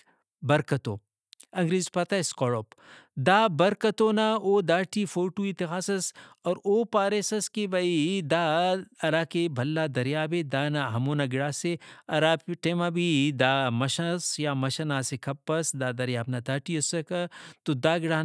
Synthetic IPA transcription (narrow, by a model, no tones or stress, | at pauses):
bɐɾkɐt̪o̰ː | ɐ̃ŋɡɾeːzpɐt̪aeskɔɽoːpd̪aːbɐɾkɐt̪onaoːd̪aːʈifoːɾʈuit̪exaːsɐsɔːɾoːpaːɾesɐskebɐid̪aːɐɾaːkebʱɐlːad̪ɐɾjaːbed̪aːnaɦɐmoːnaɡɪɽaːseɐɾaːpʈeːmabid̪aːmɐʃɐsjamɐʃɐnaːsekʰɐpːɐsd̪aːd̪ɐɾjaːbnad̪aːʈiɐsɐkɐt̪od̪aːɡɪɽaː